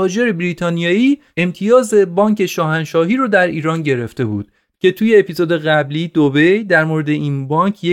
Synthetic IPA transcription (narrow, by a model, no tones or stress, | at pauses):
ɒːd͡ʒeɾebɾit̪ʰɒːnijɒːiː | emt̪ʰijɒːze̞bɒːŋcʰe̞ʃɒːɦænʃɒːɦiːɾɔːd̪æɾiːɾɒːnɟe̞ɾe̞ft̪e̞bṵːd̪̥̚ | cʰe̞t̪ʰuːje̞ːpizod̪e̞ɣæbliːd̪obe̞jd̪æɾmoɾe̞d̪e̞ʔiːnbɒːŋkʰje